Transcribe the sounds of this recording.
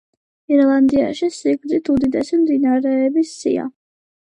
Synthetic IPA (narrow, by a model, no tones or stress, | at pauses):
iɾlˠand̪ia̰ʃisiɡɾd̪zit̪ʰud̪id̪ɛsimd̪inaɾɛɛbisːḭa̰